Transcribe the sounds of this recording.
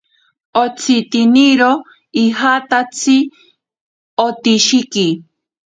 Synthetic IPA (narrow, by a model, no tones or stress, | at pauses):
ot͡sʰit̪iniɾo | iɦat̪at͡sʰi | ot̪iʃiki